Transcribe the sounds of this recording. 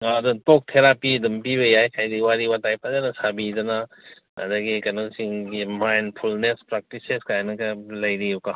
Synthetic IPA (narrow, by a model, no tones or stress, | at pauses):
adɐtok̚tʰeɾapidɐmpiβɐjajkʰajdiwaɾiwatajpazanɐsabidɐna | ɐ̰dɐɡikɐnosiŋɡimajnpʰulnespɾak̚tiseskajnɐkɐlɐjɾiuka